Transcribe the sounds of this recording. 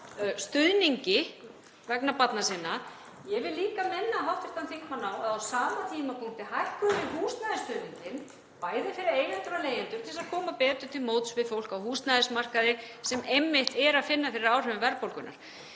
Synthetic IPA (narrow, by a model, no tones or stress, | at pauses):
st̪ʏðniɲcɪ | vɛknapat̪nasɪnːa | jɛvɪðliːkamɪnːaɦawht̪ɪɾ̥t̪anθikmanaːwaðawsaːmat̪ʰiːmapʰuŋ̥t̪ɪhajhkʏvɪðɦuːst̪najðɪst̪ʏðniɲcɪn | paːjðɪfɪɾɪɾejlɛnt̪ʏɾaleːjɪnt̪ʏɾ̥t̪ʰɪlsakʰɔːmapɛːt̪ʏɾ̥t̪ʰɪlmoːwt̪svɪðfowl̥kawhuːst̪naðɪsmar̥kaðɪsɛmejmːɪht̪ɛɾaðfɪnːafɪɾɪɾaːwr̥œvʏmvɛɾpowlkʏna̰ɾ̥